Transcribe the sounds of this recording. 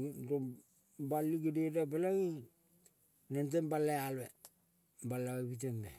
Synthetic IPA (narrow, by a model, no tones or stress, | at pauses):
do | baliɡidedabalaɡi | nent̬embalaale | balaɡabit̬enbe